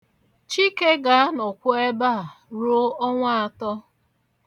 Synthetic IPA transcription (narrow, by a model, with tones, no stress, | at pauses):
t͡ʃi˦ke˦ɡa˦a˦nɔ˨kʷʊ˦e˦ba˦a˨ɾo˦ɔ˦ŋʷa˦a˨tɔ˦